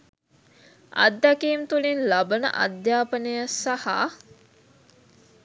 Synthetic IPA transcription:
ɐ̰d̪ːækiːmt̪ulinlabənə̰ʔɐ̰d̪jaːpənejasaha̰

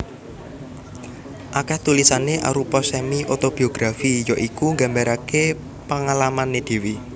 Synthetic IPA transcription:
ʔakɛht̪ulisaneʔa̰ɾupɔsɛmiʔot̪ob̥i̤oɡ̥ɾafijɔʔikuŋɡambaɾake | paŋalamaned̪̥e̤wi

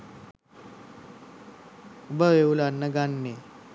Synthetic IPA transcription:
ubəʋeulanːəɡanːe

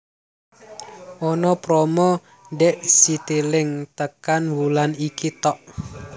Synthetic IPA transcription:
ʔɔnɔpɾɔmɔ | nɖɛʔsit̪ilɪŋt̪əkanwulanikit̪ɔʔ

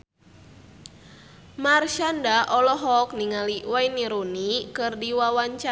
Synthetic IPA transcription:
marʃandaʔɔlɔɦɔkniŋaliwajniɾunikɨrdiwawaɲt͡ʃa

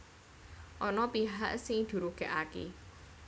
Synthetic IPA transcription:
ʔɔnɔpiɦaʔsɪŋd̪̥ṳɾuɡ̥ɛʔakḛ

